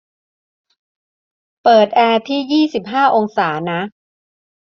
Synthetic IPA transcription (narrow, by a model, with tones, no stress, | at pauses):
pɤː˨˩t̪̚ʔɛː˧t̪ʰiː˥˩jiː˥˩si˨˩p̚ɦaː˥˩ʔo˧ŋsaː˩˦na˦˥